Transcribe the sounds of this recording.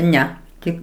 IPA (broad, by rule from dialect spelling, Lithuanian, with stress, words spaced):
ˈnʲɛ ˈtʲɪk